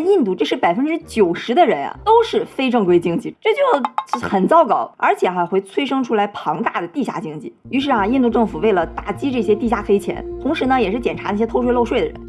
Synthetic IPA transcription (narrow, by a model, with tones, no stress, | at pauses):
i˥˧nt̪u˥˩ʈ͡ʂɤ˥˧ʂɻ̩˥˩pa˨˩ɪfə˥nʈ͡ʂɻ̩˥t͡ɕjo˨˩ʊʂɻ̩˧˥d̪ə˧ɻə˧˥nja̰˧t̪o˥ʊʂɻ̩˥˩fe˥ɪʈ͡ʂɤ˥˧ŋkwe˥ɪt͡ɕi˥ŋt͡ɕi˥˩ʈ͡ʂɤ˥˧t͡ɕjo˥˩ʊ˥xə˨˩nt͡sɑ˥ʊkɑ˨˩˦ʊə˞˧˥t͡ɕʰjɛ˨˩a˧xwe˥˩ɪt͡sʰwe˥ɪʂɤ˥ŋʈ͡ʂʰu˥la˧˥ɪpʰɑ˧˥ŋt̪a˥˩d̪ə˩t̪i˥˧ɕja̰˥˩t͡ɕi˥ŋt͡ɕi˥˩y˧˥ʂ̬ɻ̩˥˩ɐ˨i˥˧nt̪u˥˧ʈ͡ʂɤ˥˩ŋfu˨˩we˥˩ɪlə˩t̪a˥˩t͡ɕi˥ʈ͡ʂɤ˥˩ɕ̬jɛ˥t̪i˥˧ɕja˥˩fe˥ɪt͡ɕʰjɛ̰˧˥nt̪ʰʊ˧˥ŋʂɻ̩˧˥nə˧jɛ˨˩ʂɻ̩˥˩t͡ɕjɛ˨˩nʈ͡ʂʰa˧˥n˥˩ɕjɛ˥t̪ʰo˥ʊʂ̬wɪlo˥˧ʊʂwe˥˩ɪd̪ə̰˩ɻə̰˧˥n